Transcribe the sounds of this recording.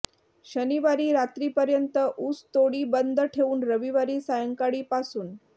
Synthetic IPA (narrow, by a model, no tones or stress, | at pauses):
ɕəniʋaɾiːɾat̪ɾiːpəɾjənt̪əʔuːst̪oɽiːbənd̪ʱəʈʰeuːnɾəʋiʋaɾiːsajəŋkaɽiːpasuːn